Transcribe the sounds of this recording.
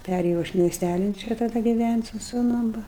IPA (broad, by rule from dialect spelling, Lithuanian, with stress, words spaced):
ˈpʲærʲeːjɛʊ ɐʃ mʲiɛsʲˈtʲælʲɪn ˈt͡ʃʲɛ tɐˈdɐ ɡʲɪˈʋʲænʲtʲ sʊ sʊˈnʊm ˈʋɐ